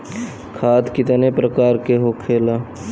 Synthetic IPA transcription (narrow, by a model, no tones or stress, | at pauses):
kʰaːt̪kɪt̪nepɾəkaːɾkeɦokʰeːlaː